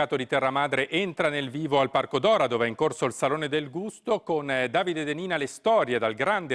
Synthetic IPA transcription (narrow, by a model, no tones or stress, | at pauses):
aːt̪od̪it̪ɛrːamaːd̪ɾeʔent̪ɾanelviːvoalparkod̪ɔːɾad̪oːveɛiŋkorsoilsaloːned̪elɡust̪okond̪aːvid̪ed̪eniːnalest̪ɔːɾjed̪alɡɾand̪e